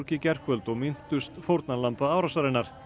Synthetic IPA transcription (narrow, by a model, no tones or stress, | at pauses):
ɾcɪcɛr̥kvœlt̪ɔɣmɪn̥t̪ʏst̪fowɾt̪nalampaaːwɾasaɾɪnːaɾ̥